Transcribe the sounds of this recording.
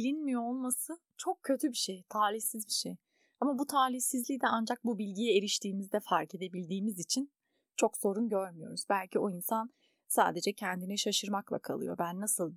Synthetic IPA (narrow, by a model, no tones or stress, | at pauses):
ilʲinmijoolˠmasɯ | t͡ʃʰo̞kcʰːø̞t̪ʰybiʃejt̪ʰaːlʲiçsizbiʃej | amabut̪ʰaːlʲiçsizlʲicd̪ɛand͡ʒak̚bubilʲɟijɛeɾiʃt̪ʰiːmizd̪ɛfaɾcʰe̞d̪e̞bilʲd̪iːmizit͡ʃʰin | t͡ʃʰo̞kso̞ɾunɟøɾmyjo̞̰ɾuz̥bælʲcʰio̞insan | sa̰ːd̪e̞d͡ʒɛcʰɛnd̪iniʃaʃɯɾmaklˠa̰kʰa̰lˠɯ̰jo̞̰bænːasɯlˠ